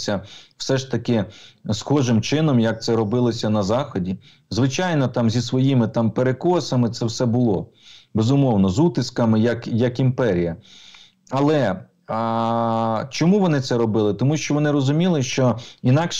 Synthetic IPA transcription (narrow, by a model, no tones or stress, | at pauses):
sʲɐw̥sɛʃt̪ɐkɪsxɔʒɪmt͡ʃɪnɔmjɐk̚t̪sɛɾɔbɪlˠɔsʲɐnɐzɑxɔdʲi | zʋɪt͡ʃɑjnɔt̪ɑmzʲisʋɔjimɪt̪ɑmpeɾekɔsɐmɪt̪sɛwsɛbʊlˠɔ | bezʊmɔwnɔzut̪ɪskɐmɪjɐkjɐkimpɛɾʲijɐ | ɐlˠɛ | t͡ʃɔmuʋɔnɪt̪sɛɾɔbɪlˠɪt̪ɔmuʃt͡ʃɔʋɔnɪɾɔzʊmʲilˠɪʃt͡ʃɔinɑkʃ